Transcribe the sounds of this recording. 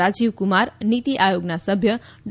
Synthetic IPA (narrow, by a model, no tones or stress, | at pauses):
ad͡ziwkumarnit̪iʔajoɡnasʌbʱjʌ | ɖ